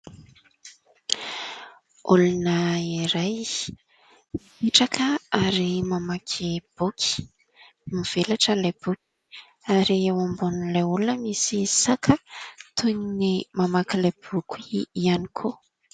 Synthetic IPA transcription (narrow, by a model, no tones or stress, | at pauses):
ulunəiɾaj | iʈ͡ʂakʰəaɾimamakʰeb̥ukʰi̥ | miv̥elaʈ͡ʂəlajb̥ukʲi̥ | aɾiewambunilajulunəmisisakʰət̪ʰuɲinimamakilab̥ukuianikʰo